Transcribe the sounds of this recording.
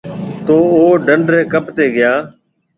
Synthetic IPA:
t̪oːoːɖəɳɖɾeːkəpt̪eːɡɪjaː

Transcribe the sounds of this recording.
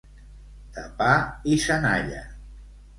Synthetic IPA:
t̪apaisəna̰ʎə̰

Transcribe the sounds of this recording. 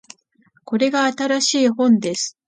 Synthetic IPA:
ko̞ɾe̞ɡaːt̪aɾaɕiːhõ̞nd̪e̞sɨ̥

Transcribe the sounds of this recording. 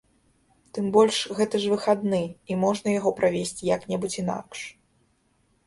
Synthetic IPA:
t̪ɨmbɔlʲʂɣɛt̪ɐʐvɨxad̪nɨimɔʐnɐjaɣɔpɾavʲesʲt͡sʲjɐknʲɛbut͡sʲin̪a̰kʂ

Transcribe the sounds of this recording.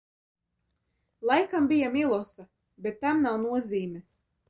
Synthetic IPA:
lˠajkambijamilˠɔsa | bʲet̪ːamnawnuɔziːmʲɛs

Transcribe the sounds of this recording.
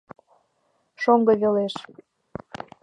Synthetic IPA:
ʃoŋɡɤ̆βeleʃ

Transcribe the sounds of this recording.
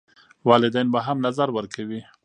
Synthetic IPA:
wɑlɪd̪ajnbaɦamnazaɾwəɾkʰawi

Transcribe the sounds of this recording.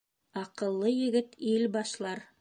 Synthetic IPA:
ɑqɤ̆lˠːɤjɘ̆ɡɘt̪ilbɑʃlˠɑɾ

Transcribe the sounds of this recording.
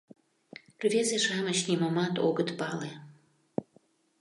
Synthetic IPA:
rvʲezeʃamət͡ɕnimamat̪o̰ɡət̪pale

